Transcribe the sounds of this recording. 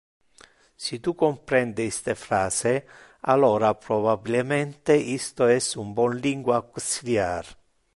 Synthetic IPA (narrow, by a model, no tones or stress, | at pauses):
sit̪ukompɾɛnd̪ɪist̪efɾaːsɪ | a̰lɔːɾapɾobabilemɛnt̪eʔist̪oɛsumbɔnliŋɡwakːunsiljaɾ